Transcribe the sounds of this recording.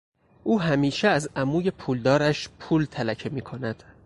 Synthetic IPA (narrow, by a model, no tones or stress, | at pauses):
ʔuːɦæmiːʃeæzæmuːje̞pʰuːld̪ɒːɾæʃpʰuːlt̪ʰælæcʰemiːkʰo̞næd̪̥